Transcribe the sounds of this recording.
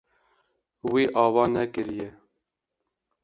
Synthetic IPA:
wiːʔɑːvɑːnɛkɨɾjɛ

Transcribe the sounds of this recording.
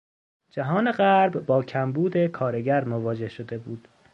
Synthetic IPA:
d͡ʒæɦɒːne̞ɢæɾbːɒːcʰæmbuːd̪e̞kʰɒːɾe̞ɟæɾmovɒːd͡ʒe̞hʃod̪e̞buːd̪̥

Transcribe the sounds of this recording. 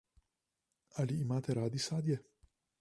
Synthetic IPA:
aliːmaːt̪ɛɾaːd̪isaːd̪jɛ

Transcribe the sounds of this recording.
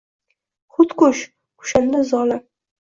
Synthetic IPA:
χʊt̪kʊʃ | ʊ̥ʃand̪azɒla

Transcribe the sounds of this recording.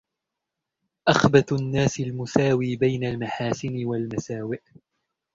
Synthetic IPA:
ʔaxbat̪nːaːsɪlmʊsaːwiːbajnalmaħaːsɪnɪwalmasaːwɪʔ

